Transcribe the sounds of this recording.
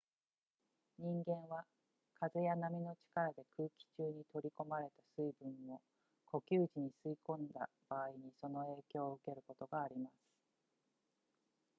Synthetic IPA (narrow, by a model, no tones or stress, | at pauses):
ɲ̟ĩŋɡẽ̞ɰ̃βa | kʰazejanamʲino̞t͡ɕi̥kaɾad̪e̞kʰɯːkʲi̥t͡ɕɨːɲ̟it̪o̞ɾʲiko̞maɾe̞t̪asɨibɯ̟̃ɰːo̞ | kʰo̞kʲɨːʑiɲ̟isɨikõ̞nd̪a̰b̥aːiɲ̟iso̞no̞e̞ːkʲo̞ːɯ̟ke̞ɾɯ̟ko̞t̪o̞ɡaːɾʲimasɨ̥